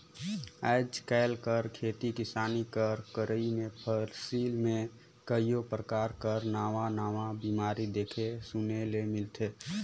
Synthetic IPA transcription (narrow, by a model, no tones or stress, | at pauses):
aɪd͡ʒkɛːlkəɾkʰeːt̪ikɪsaːnikəɾkəɾəimẽpʰəɾsiːlmẽ | kəijopɾəkaːɾkəɾnaːʋanaːʋãbiːmaːɾid̪eːkʰesunelemɪlt̪ʰeː